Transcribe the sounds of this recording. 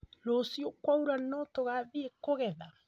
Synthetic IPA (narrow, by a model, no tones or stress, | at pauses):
ɾosjokwauɾanɔtoɣaðeekoɣɛða